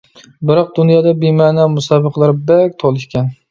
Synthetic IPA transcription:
bɪɾɒq̚d̪ʊnjɑːd̪abemaːnamʊsɑbɨqʰlˠaɾbak̚ʲt̪ʰolˠɪʃkʲʰɛn

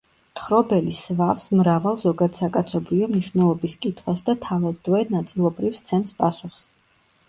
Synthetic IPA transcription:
t̪ʰχɾɔbɛlisvafsmɾavalˠzɔɡad̪sakʼat̪sʰɔbɾiɔmniʃvnɛlˠɔbiskʼit̪ʰχwasd̪at̪ʰavad̪ɛnat̪sʼilˠɔbɾifst̪sʰɛmspʼasuχs

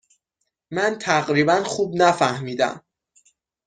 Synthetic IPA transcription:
mænt̪ʰæɣɾiːbænxuːbnæfæhmiːd̪æ̰m

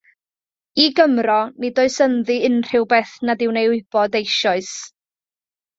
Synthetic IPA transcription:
iɡəmrɔnɪdoɨsənðɨɪnr̥ɪwbeθnadɪwnejʊɨb̥ɔdejʃɔɨs

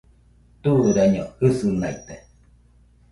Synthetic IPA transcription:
t̪uɾaɲohɯsɨnajt̪e

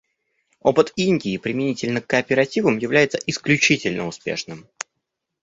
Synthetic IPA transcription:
opɨt̪inʲdʲɪːpɾʲɪmʲɪnʲitʲɪlʲnəkːəːpʲɪɾɐtʲivəmjɪvlʲæjɪt̪səʔɪsklʲʉt͡ɕitʲɪlʲnəʊspʲe̞̰ʂnɨm

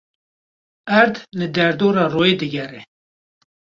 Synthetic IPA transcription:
æɾd̪nɨd̪ɛɾd̪oːɾɑːroːjeːd̪ɨɡɛrɛ

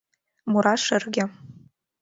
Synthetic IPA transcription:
muɾaʂɨrɡʲɪ

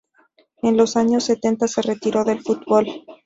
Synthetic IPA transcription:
e̞nlo̞saɲo̞sːe̞t̪e̞nt̪ase̞re̞t̪iɾo̞ðe̞lfut̪̚bo̞l

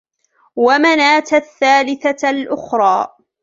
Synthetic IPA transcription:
wamanaːt̪aθːaːlɪθalʔʊxɾˤɑː

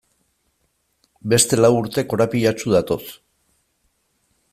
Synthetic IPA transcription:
be̞st̪e̞lawuɾt̪e̞ko̞ɾapiʎat͡ʃuð̞at̪o̞s

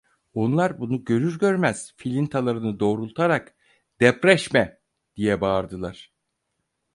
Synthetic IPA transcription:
o̞nlˠaɾbunuɟø̞ɾyɾɟø̞ɾmæz̥filʲint̪ʰalˠaɾɯnɯd̪o̞ːɾulˠt̪ʰaɾak | d̪̥ɛpɾɛʃmɛ | d̪̥ijɛbaːɾd̪ɯlˠaɾ̥

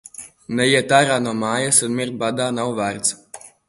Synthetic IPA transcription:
nɛjiɛt̪aːɾaːnuɔmaːjasunmiɾt̪̚bad̪aːnawvæɾt̪s

